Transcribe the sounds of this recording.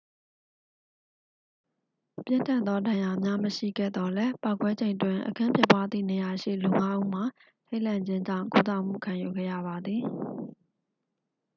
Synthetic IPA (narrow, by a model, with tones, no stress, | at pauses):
pjɪ̃˦˨ntã˦˨nðɔ˦dã˨ja˨mja˦məʃḭ˦˨ɡɛ̰˦˨d̪ɔ˨lɛ˦pa˦˨ʊkwɛ˦d͡ʑẽ˨ɪ̃ntwɪ̃˨ʔəkʰã˦mpʰjɪ˦pwa˦d̪ðḭ˦˨ne˨ja˨ʃḭ˦˨lu˨ŋa˦ʔu˦m̥a˨ | tʰe˦ɪʔlã˨ɲd͡ʑɪ̃˦ɲd͡ʑã̰˦˨ŋku˦t̪a˦˨m̥ṵ˦˨kʰã˨ju˨ɡɛ̰˦˨jä̰˦˨βa˨d̪ði˨